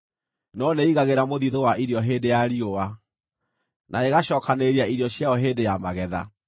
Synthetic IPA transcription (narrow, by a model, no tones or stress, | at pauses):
nɔneiɣaɣeɾamoðiðowaʔiɾjɔɦeːndejaɾiowa | nʔaeɣaɕɔːkaneɾiaiɾiɔɕjaɔɦeːdejamaɣɛða̰